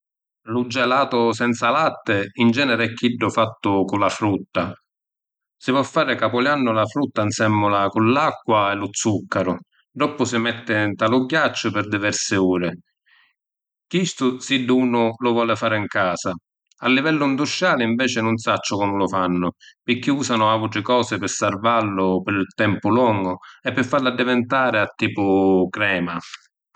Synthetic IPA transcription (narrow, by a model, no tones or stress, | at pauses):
lʊd͡ʒːɛlaːt̪ʊsɛnt̪salat̪ːɪind͡ʒɛːnɛɾɪɛkːiɖːʊfat̪ːʊkʊlafɾut̪ːa | sɪvwɔfːaːɾɪkapʊljanːʊlafɾut̪ːansɛmːʊlakʊlːakːwaɛlʊt̪sːukːaɾʊ | ɖɾɔpːʊsɪmɛt̪ːɪnt̪alʊɡjat͡ʃːʊpɪɾd̪ivɛɾsɪuːɾɪ | kist̪ʊsid̪ːuːnʊlʊvwɔːlɪfaːɾɪiŋkaːsa | alːivɛlːʊind̪uʃːaːlɪiɱvɛːt͡ʃɪnʊnsat͡ʃːʊkɔnʊlʊfanːʊpɪkːiuːsanʊavuʈɾɪkɔːsɪpɪsarvalːʊpɪɾt̪ɛmpʊlɔŋɡʊɛpːɪfːaɾlad̪ːɪvɪnt̪aːɾɪat̪ːiːpʊkɾɛːma